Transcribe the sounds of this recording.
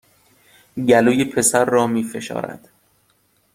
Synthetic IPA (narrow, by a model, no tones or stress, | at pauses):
ɟæluːjepʰe̞sæɾːɒːmiːfe̞ʃɒ̰ːɾæ̰d̪̥